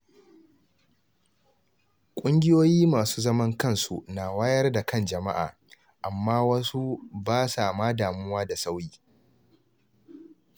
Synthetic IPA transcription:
kʷʼʊ˦ŋɡʲɪ˦joː˦jiː˦maː˨su̥ː˦zɐ˦mɐ˦ŋkɐ˦˨nsu˨naː˨waː˦jɐ˦rda˨kɐ˦nd͡ʒɐ˨ma̰˦ʔa̰ː˨ | ʔa˨mːaː˦wɐ˦su˦baː˦sa˨maː˦daː˨mʊ˦waː˦da˨sa˦wjiː˦

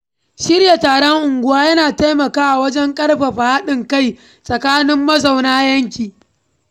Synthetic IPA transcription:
ʃɪ˦ɾja˨taː˨ɽɐ˦ŋʔʊ˨ŋɡʷʊ˦waː˦jɐ˦naː˨ta˦jmɐ˨kaː˦ʔa˨wɐ˦d͡ʒɛ˦ŋkʼɐ˦rɸɐ˨ɸa˨ha˦ɗɪ˨ŋka˦˨j | sʼɐ˨kaː˦nɪ˦mːɐ˦za˨wnaː˦jɐ˦ŋkʲiː˨

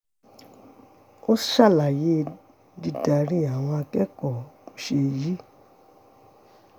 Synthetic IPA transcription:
o˦ʃa˦˨la˨je˨˦˧ | di˧˦da˨ɾi˦a˨w̃ɔ̃˧a˧kɛ˦kɔ˦˨ʃe˧ji˦

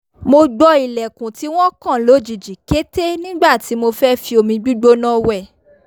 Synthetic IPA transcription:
mo˧ɡ͡bɔ˧i˨lɛ˨kũ˨ti˨˦w̃ɔ̃˦kã˦˨lo˨˦d͡ʒi˨d͡ʒi˨ke˦te˦nĩ˦ɡ͡ba˦˨ti˨˦mo˧fɛ˦fi˧˦o˧˨mĩ˧ɡ͡bi˦ɡ͡bo˦nã˦wɛ˦˨

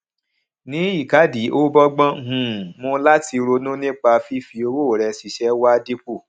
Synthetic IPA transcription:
nĩ˨˦i˦˨ka˨˦di˨˦ʔo˦bɔ˦ɡ͡bɔ̃˦˨hũ˨mũ˧˦la˦ti˧ɾo˧nũ˦nĩ˦k͡pa˧fi˦fi˧o˧wo˦˨ɾɛ˧si˧ʃɛ˨˦wa˦di˦k͡pu˦˨

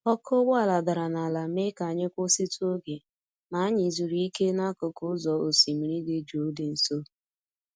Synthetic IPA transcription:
ɔ˦kʰo˦bʊ˦a˨la˨da˨ɾa˨na˨la˨me˦ka˨ɲɪ˦kʷʊ˦si˦tu˦o˦ɡe˨ | ma˨˦ɲɪ˨zu˨ɾi˦ke˦na˦kʊ˨kʊ˦zɔ˨o˨si˨mi˨ɾi˦ɡɪ˦d͡ʒo˨˦de˨n̩˨so˦

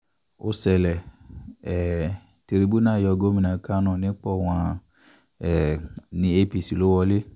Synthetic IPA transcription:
o˧sɛ˨lɛ˨ | ɛ˨ | te˧ɾi˧bu˦nãː˦˨jɔ˧ɡo˦mĩ˧nã˨ka˦nɔ̃˦˨nĩ˦k͡pɔ˦˨w̃ã˧˦ | ɛ˨nĩ˧e˧pi˨si˨lo˦wɔ˧le˦

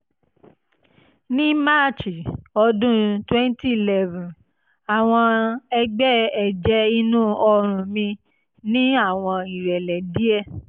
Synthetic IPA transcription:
nĩ˦ma˦˨t͡ʃi˨ɔ˧dũ˦twɛ̃˦n˦ti˦˨lɛ˦vũ˨ | a˨w̃ɔ̃˧ɛ˧ɡ͡bɛ˦ɛ˨d͡ʒɛ˨˦i˧nũ˦ɔ˧ɾ̃ũ˨mĩ˧ | nĩ˦a˦˨w̃ɔ̃˧i˨ɾɛ˨lɛ˨di˦ɛ˦

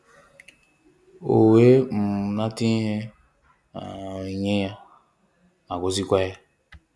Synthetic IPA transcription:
o˨we˦m̩˨na˦ti˦ɦe˦ | a˨i˨ɲe˦ja˦ | a˨ɡo˨zi˦kʷa˦ja˦

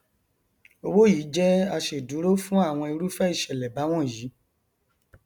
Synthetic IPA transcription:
o˧wo˦˨ji˨˦d͡ʒɛ˦a˧ʃe˨du˨˦ɾo˦fũ˦a˦˨w̃ɔ̃˧i˧ɾu˦fɛ˦i˦˨ʃɛ˨lɛ˨ba˨˦w̃ɔ̃˦˨ji˨˦

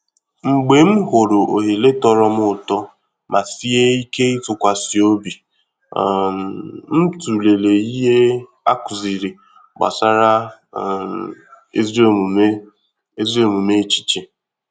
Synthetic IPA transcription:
ŋ͡m̩˨ɡ͡be˨˦m̩˦ɦo˨ɾʊ˨o̰˨ɦe˨le˦tɔ˦ɾɔ˦m˦ʊ˦˨tɔ˦ | mʔa˨si˦e˦i˦ke˦i˦tʊ˨kʷa˨si˨o˦bi˨ | m̩˦tu˨le˨le˨i˦ɦe˦ | a̰˦kʊ˨zi˨ɾi˨ | ɡ͡ba̰˨sa˦ɾa˦˨ | e˦zo˦˨m˨m˦ | e˦zo˦˨mu˨me˦t͡ʃi̥˦t͡ʃi˦

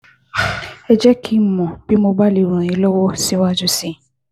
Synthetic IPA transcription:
ɛ˧d͡ʒɛ˦kʰi˦˨mɔ̃˨b̥i˦mo˧ba˦le˨ɾũ˨ɾ̃ĩ˧˦lɔ˦wɔ˦si˦wa˦d͡ʒu˦sĩ˦

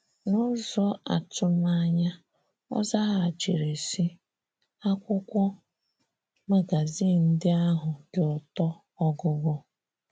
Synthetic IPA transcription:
nʊ˦zɔ˦a̰˨tʰʊ˦ma˦ɲa˦ | ɔ̰˦za˦ɦa˨d͡ʒe˨ɾe˨si˦ | a˦kʷʊ˦kʷɔ˦ | ma˦ɡa˨zi˦˨n̩˦dɪ˦a˦ɦʊ˨ɡɪ˨ɔ˨tɔ˦ | ɔ˦ɡʊ˦ɡʷɔ˦

